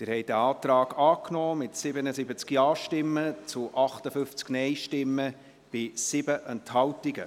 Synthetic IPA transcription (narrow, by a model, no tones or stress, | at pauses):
tɪːɾhɛɪdæɑːtɾɑːɡɑːknɔːmɪtsɪbənəzɪbət͡skjɑːʃtɪmːət͡sʊʔɑχtəfʏft͡sknɛjʃtɪmːə | b̥ɪsɪbəʔɛnthɑwtiɡə̰